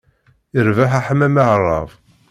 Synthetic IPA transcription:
əɾvaħaħəmæməʕrˤːɑ̰v

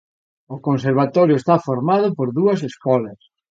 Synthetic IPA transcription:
okonseɾβat̪ɔɾjʊest̪afoɾmað̞ʊpoɾðuɐs̬eskɔlɐs

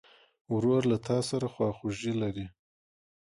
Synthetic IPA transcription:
wɾoɾlat̪ʰɑsaɾaxwɑxuʒilaɾi

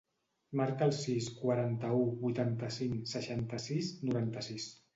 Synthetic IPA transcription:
maɾkəːlˠsiskwaɾant̪əubujt̪ant̪əsiŋsəʃant̪əsisnuɾant̪əsis

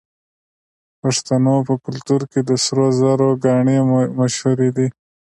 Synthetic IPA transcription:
paʂt̪anopəkʊlt̪uɾked̪əsɾozaɾoɡɑɳemaʃhuɾed̪i

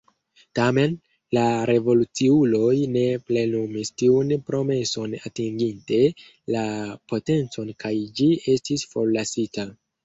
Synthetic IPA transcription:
tame̞n | laɾe̞vo̞lut͡siulo̞jne̞ple̞numistiunpɾo̞me̞so̞na̰tiŋɡinte̞ | lapo̞te̞nt͡so̞nkajd͡ʒie̞stisfo̞ɾlasita

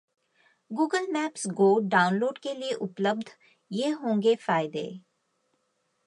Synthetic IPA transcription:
ɡuːɡəlmɛːpsɡoːɖaːʊnloːɖkelieʔʊpləb̚d̪ʱ | jeːɦõːŋɡefaːɪd̪ḛː

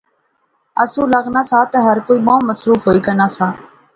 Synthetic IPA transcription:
əsũːləɣnaːsaːt̪əːɦəɾkoːiːmãːməsɾuːfɦoːiːkənaːsaː

